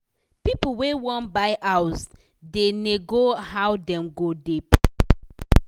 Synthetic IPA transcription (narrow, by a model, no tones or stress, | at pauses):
pipuwewɔ̃nbaɪʔaws | deneɡoɦawdɛ̃mɡodip